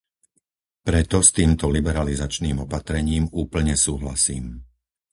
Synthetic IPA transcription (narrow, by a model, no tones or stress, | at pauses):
pɾɛt̪ɔst̪iːmt̪ɔlibɛɾalizat͡ʃniːmɔpat̪ɾɛɲiːmuːpl̩ɲɛsuːɦlasiːm